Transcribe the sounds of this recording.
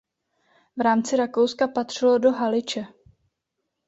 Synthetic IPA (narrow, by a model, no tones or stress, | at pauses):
vɾaːmt͡sɪɾako̞wskapat̪r̝̥ɪlo̞do̞ɦalɪt͡ʃɛ